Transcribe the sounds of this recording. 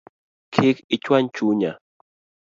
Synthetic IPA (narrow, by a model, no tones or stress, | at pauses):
kʰɪkɪt͡ʃwaɲt͡ʃuɲa